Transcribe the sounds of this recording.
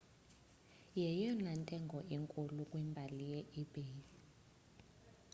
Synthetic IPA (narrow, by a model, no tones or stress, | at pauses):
jɛjɔnantʼɛŋɡʱɔʔiŋkʼulukʼwimbʱalijɛʔib̥e